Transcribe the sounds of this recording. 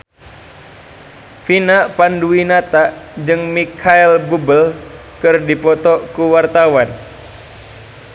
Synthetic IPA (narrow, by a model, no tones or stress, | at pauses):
finapanduinat̪ad͡ʒɨŋmikʰaɛlbubəl | kɨrdipɔt̪ɔkuwart̪awan